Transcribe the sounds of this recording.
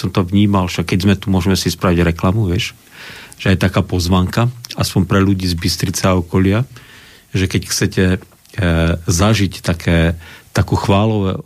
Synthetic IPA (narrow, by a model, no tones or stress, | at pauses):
sɔmt̪ɔʋɲiːmalʃakːɛɟzmɛt̪umʊɔʒɛmɛsispɾaʋiɟɾɛklamuʋɪɛʃ | ʒ̥ɛajt̪akaːpɔzʋaːŋkaaspɔɲpɾɛʎuɟiːzbist̪ɾit͡sɛaɔkɔʎɪa | ʒɛkɛcxt͡sɛcɛ | zaʒict̪akʰɛːt̪akuːxʋaːlɔʋɛ̰